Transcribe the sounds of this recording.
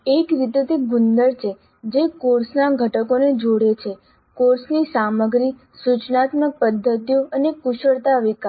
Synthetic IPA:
ekɾit̪et̪eɡund̪əɾt͡ʃʰe | d͡ʒekoɾsnaɡʱəʈəkoned͡ʒoɽet͡ʃʰe | koɾsnisaməɡɾi | sut͡ʃnat̪mək̚pəd̪ʱːət̪ijoənekuʃəɾt̪aʋika

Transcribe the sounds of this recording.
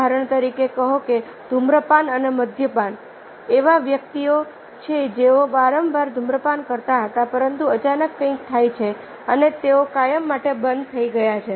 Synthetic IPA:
aɾəɳ̃t̪əɾikekəɦõke | d̪̥ʱumɾəpanəneməd̪ʱjəpan | eʋaʋjək̚t̪io | t͡ʃʰed͡ʒeobaɾəmbʱaɾd̪ʱumɾəpankəɾt̪aɦət̪apəɾənt̪uət͡ʃanəkːə̃ĩk̚t̪ʰajt͡ʃʰe | ənet̪eokajəmːaʈebənd̪̚t̪ʰəiɡəjat͡ʃʰe

